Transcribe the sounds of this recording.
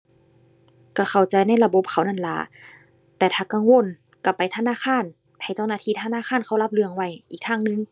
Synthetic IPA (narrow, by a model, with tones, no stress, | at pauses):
ka˧˩xʰa˨˩wt͡ɕa˧jna˧˥˩jla˧bo˧˦p̚kʰa˨˩wna˧˥˨nla̰˧˩ | t̪ɛː˧˩t̪ʰaː˧ka˧˨ŋwo˧˥˨n | ka˧˩pa˨jt̪ʰa˧˨naː˧˥˨xʰaː˧˥˨n | pʰa˧˩jt͡ɕa˧˩˨wnaː˧˩t̪ʰiː˧˩t̪ʰa˧˨naː˧˥˨xʰaː˧˥˨nkʰa˧˩wla˧˥p̚lɯ˧˩əŋwa˧˩˨jʔiː˨k̚t̪ʰaː˧˥˨ŋnɯ˧˨ŋ